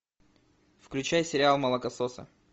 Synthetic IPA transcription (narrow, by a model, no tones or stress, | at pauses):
fklʲʉt͡ɕajsʲɪɾʲɪalˠmɐlˠəkɐsosə̰